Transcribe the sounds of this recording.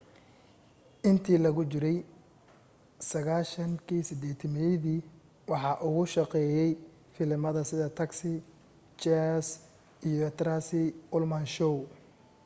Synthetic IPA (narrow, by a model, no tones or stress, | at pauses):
ʔɪnt̪ʰiːlɐɣʊt͡ʃɪɾɛj | sɐɣaːʃɐŋkʰiːsɪd̪ɛːt̪ʰɐmɛjðiː | wɑħɑːʔʊɣʊʃɑqɛːjɛj | fɪlɪmɐðɐsɪðɐt̪ʰɐksɪ | t͡ʃɛs | ijɔɛt̪ɾasɪʊlmɐnʃɔw